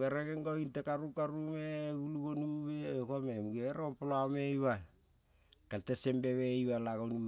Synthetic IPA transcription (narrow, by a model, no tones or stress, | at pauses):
ɡeɾeɡeŋɡointekaɾukaɾumeɡuluɡonuβekomemuɡeɾopoloamejβa | kaltesembe̞βeiβalaɡonum